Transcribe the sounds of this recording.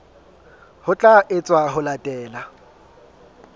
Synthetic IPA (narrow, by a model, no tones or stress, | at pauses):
hʊt͡ɬʼaʔɪt͡sʼwaɦʊlatʼɛːla